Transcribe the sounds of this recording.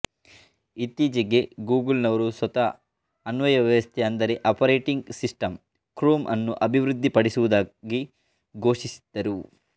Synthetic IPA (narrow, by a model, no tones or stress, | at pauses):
it̪ːiːd͡ʒɐɡe̞ɡuːɡɐlnɐʋɐɾuswɐt̪ɐː | nʋɐjɐʋɐʋɐst̪ʰɛɐnd̪ɐɾeʔɐpɐɾeːʈiŋɡsisʈɐm | kɾuːmʔɐ̰nːuʔɐbʱiʋɾud̪ʱːipɐɽisuʋud̪aːɡi | ɡʱo̞ːʂisi̥d̪̥ːɐɾu